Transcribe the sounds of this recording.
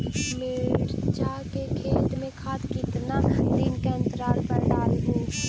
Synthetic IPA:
meɽt͡ʃakekʰeːt̪mẽkʰaːt̪kɪt̪nad̪iːnkent̪ɾaːlpəɾɖaːlɦũ

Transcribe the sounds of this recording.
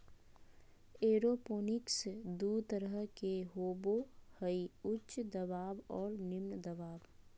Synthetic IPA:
eːɾopoːnɪksd̪ut̪əɾəɦkeɦoːbohəiʊtːʃd̪əbaːbɔːɾnɪmnd̪əbaːb

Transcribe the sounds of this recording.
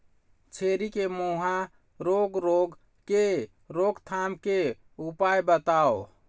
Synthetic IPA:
t͡ʃʰeɾikemoɦã | ɾoɡɾoɡ | ke | ɾoɡt̪ʰamke | upajbət̪ao

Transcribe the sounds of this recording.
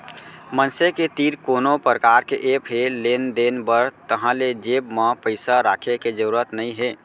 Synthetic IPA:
mənseket̪iːɾkoːnopɾəkaɾkeʔepɦelend̪enbəɾt̪əɦãled͡ʒebmãpəɪsaɾaːkʰeked͡ʒəɾuɾət̪nəĩɦe

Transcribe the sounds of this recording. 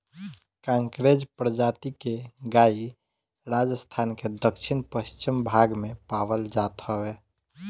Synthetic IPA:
kãŋkɾed͡ʒpɾəd͡ʒat̪ikeɡai | ɾad͡ʒəst̪ʰanked̪əkʃʰɪnpəst͡ʃimbʱaɡmẽpaʋəld͡ʒat̪ɦəwe

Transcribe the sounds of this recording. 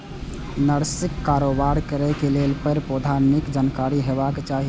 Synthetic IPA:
nəɾsikːaɾobaɾkəɾɛkelelpəɾpod̪ʱanikd͡ʒankaɾiɦebaket͡ʃaɦi

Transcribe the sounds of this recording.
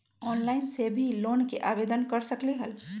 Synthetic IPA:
ɔːnlaːɪnsebʱiloːnkeʔaːbeːd̪ənkəɾsəkliɦəl

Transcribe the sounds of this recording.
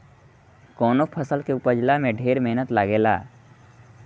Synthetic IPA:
kɔːnopʰəsəlkeʊpəd͡ʒlamẽɖʱeːɾmeɦnət̪laɡeːla̰ː

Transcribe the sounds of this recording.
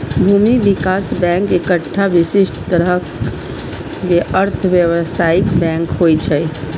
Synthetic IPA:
bʱumibikasbɛ̃ŋkekəʈʰːaʋisiʃʈt̪əɾə | keʔəɾt̪ʰbjeʋəsaikbɛ̃ŋkhojt͡ʃʰəj

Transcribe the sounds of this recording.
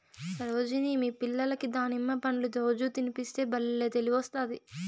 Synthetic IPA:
sɐɾoːd͡ʒiniːmiːpilːɐlɐkid̪aːnimːɐpɐnilud̪oːd͡ʒuːt̪inipist̪e̞ːbɐlːeːt̪eliʋɔst̪aːd̪i

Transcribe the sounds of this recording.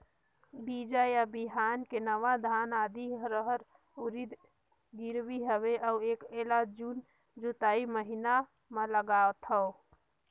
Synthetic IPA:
bid͡ʒajabiɦankenəʋad̪ʱanad̪iɾəɦəɾ | uɾid̪ | ɡiɾbiɦəβeʔauekelad͡ʒun | d͡ʒut̪aiməɦina | meləɡaot̪ɦəo

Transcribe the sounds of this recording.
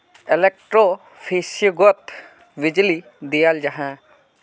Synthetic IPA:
elek̚ʈɾo | pʰisjɡɔt̪ | bid͡ʒli | d̪ijald͡ʒaɦã

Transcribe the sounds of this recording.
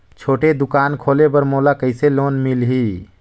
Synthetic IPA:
t͡ʃʰoːʈed̪ukankʰolepəɾmolakəɪselonmilɦi

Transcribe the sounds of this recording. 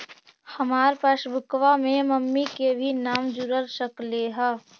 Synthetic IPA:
həmaːɾpaːsbʱʊkʋamẽməmːikebʱinaːmd͡ʒʊɾəɾsəkleɦɛ

